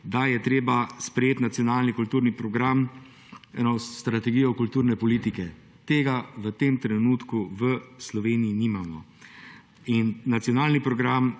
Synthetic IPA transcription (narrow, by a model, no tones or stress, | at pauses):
d̪ajɛt̪ɾeːbaspɾɛjeːt̪nat̪sijɔnaːlnikult̪uːɾnipɾɔɡɾam | ɛnost̪ɾat̪ɛɡiːjɔkult̪uːɾnɛpɔliːt̪ikɛ | t̪eːɡaʋət̪eːmt̪ɾɛnuːt̪kuʋəslɔʋeːnijinimamɔ | inːat̪sijɔnaːlnipɾɔɡɾam